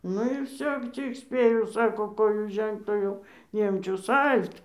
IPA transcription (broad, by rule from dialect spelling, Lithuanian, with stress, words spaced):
ˈnʊ ɪr ˈʋʲsʲoː ˈt͡sʲɪk ˈsʲpʲeːjɛʊ ˈsɑːkoː ˈkoːjʊ ˈʒʲɛŋkt oː ˈjɛʊ ˈnʲiɛmʲt͡ʃʲʊs ˈɐlʲt